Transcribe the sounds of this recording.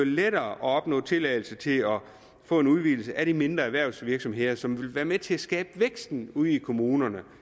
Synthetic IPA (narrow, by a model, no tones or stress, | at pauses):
leɾɐːʔɒ̽ɒ̽b̥nɔ̰̽ːt͡sʰe̝lɛɪl̩sət͡sʰe̝lɒ | fɔ̰̽ːe̝nuðˠʋil̩səʔæɾ̥ime̝nd̥ʁɐæʋæɐ̰ʊsʋiɐɡ̥sɒ̽mɦe̝ð̰ˠɐsɒ̽mʋe̝lʋæːɐmet͡sʰe̝æsɡ̥ɛːb̥əʋeɡ̥sd̥n̩uð̰ˠikʰo̝muːnɐnə